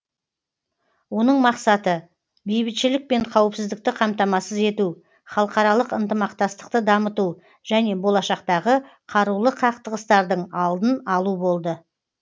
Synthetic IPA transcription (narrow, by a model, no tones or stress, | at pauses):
wo̞nəɴmɑqsɑt̪ə | bejbɪt̪ʃɪlɪk̚pe̞ɴqʰɑwəpsɪzd̪ɪk̚t̪ɪqʰɑmt̪ɑmɑsəze̞t̪u | χɑlˠəqɑɾɑlˠəqənt̪əmɑqt̪ɑst̪ə̥qt̪əd̪ɑmət̪u | ʒ̥æne̞bo̞lˠɑʃɑqt̪ɑʁəqʰɑɾulˠəqʰɑqt̪əʁəst̪ɑɾd̪əɴɑlˠd̪ənɑlˠubo̞lˠd̪ə